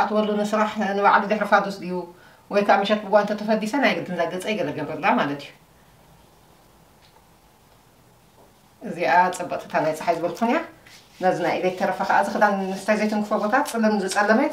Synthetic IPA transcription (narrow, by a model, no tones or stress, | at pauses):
at̪wɔlːunɨsɨɾaħnɨbaʕlizɨħɾɨfad̪ɔsd̪iju | wɔjkʰaʔmɨʃɐt̪̚bɨɡʷant̪ʰɐt̪ʰɐfɐd̪ːisɐnajɡɨd̪ɨnzaɡɐt͡sʼɐjɡɐlɐɡɐbɐɾlːamalɐt̪ʰijːu | ʔɨziʔat͡sʼɨbːɐt̪ʼɨ̥t̪ʰanajt͡sʼɨħajzɨβɐlk̪ʰxnija | nɐzinajʔlɐjt̪ʰɐɾɐfɐkɐʔazɨxɨd̪anɨ̥t̪ʰajzɐjt̪ʰɨŋkʰɨfɐbot̪ʰat̪t͡sʼɨlːɐmnɨzɨt͡sʼɐlːɐmɐj